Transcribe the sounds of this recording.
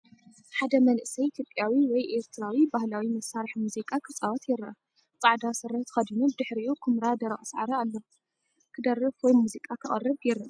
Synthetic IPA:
ħad̪ɐmɐnʔɨsɐjit̪ʰjopʼjawiwɔjʔeɾt̪ʰɨɾawibahlawimɐsːaɾħmuzikʼakʰɨt͡sʼawɐt̪jɛɾɐ̰ | t͡sʼaʕd̪asɨɾɐt̪ʰxɐd̪inubɨd̪ɨħɾiukʰɨmɾad̪ɐɾɐʔʼɐsʕa̰ɾɐalːɐ | kʰɨd̪ɐrːɨfwɔjmuzikʼakʰɨχʼɐ̰rːɐbjɛɾɐ

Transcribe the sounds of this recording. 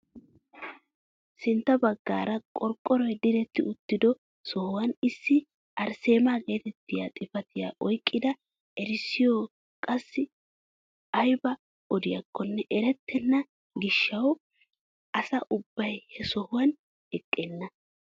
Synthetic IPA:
sɪnt̪ːɐbɐɡːa̰ːɾɐkʼɔɾkʼːɔɾɔjɛd̪ɪɾɛt̪ːɪʊt̪ːɪd̪ɔ | sɔhʊwɐnɪsːɪ | ʔɐɾse̞ːmaːɡe̞ːt̪ɛt̪ːɪjat̪ʼɪfɐt̪ɪja̰ːʔɔjkʼːɪd̪ɐ | ɛɾɪsːɪjoː | kʼɐsːɪ | ʔɐjbɐ | ɔd̪ɪjɐkːɔnːɛʔɛɾɛt̪ːɛnːɐ | ɡɪʃːɐw | ʔɐsɐʔʊbːɐjhɛsɔhʊwɐn | ɛkʼːeːnːɐ

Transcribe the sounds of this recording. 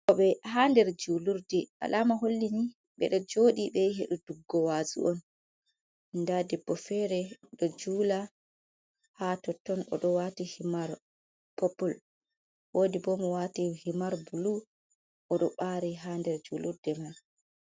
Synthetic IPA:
ʔɔɓɛɦandɛɾd͡ʒuluɾdɛʔa̰lʔaːmaɦolːini | ɓɛ̰ɗɔd͡ʒoːɗiɓɛɦeɗuduɡːɔwazṵʔɔn | ndadɛbɔfɛɾɛɗɔd͡ʒuːla | hatɔtːɔnɔ̰ɗɔwatihimaɾ | pɔpɔl | woːdibɔmɔwatihimaɾbulu | ʔɔɗɔɓaɾiɦaːndɛɾd͡ʒuluɾdɛma

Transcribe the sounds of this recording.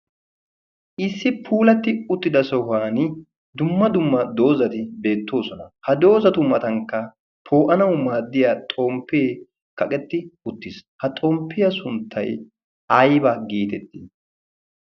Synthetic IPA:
ʔɪsːɪpʰuːlɐt̪ːɪʊt̪ːɪd̪ɐsɔɦaːnɪ | d̪ʊmːɐd̪ʊmːɐd̪o̞ːzɐt̪ɪbe̞ːt̪ːo̞ːsɔnɐhɐd̪o̞ːzɐt̪ʊmɐt̪ɐŋkːɐ | pʰo̞ːʔɐnɐwmaːd̪ːɪjaːt̪ʼoːmpːeː | kɐkʼɛt̪ːɪʊt̪ːɪshɐt̪ʼɔmpːɪjɐsʊnt̪ʰːɐ̰j | ɐjbɐɡiːt̪ɛt̪ːɪ

